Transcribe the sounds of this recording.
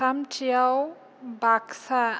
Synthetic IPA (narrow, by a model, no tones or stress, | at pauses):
amtʰijaw | baksa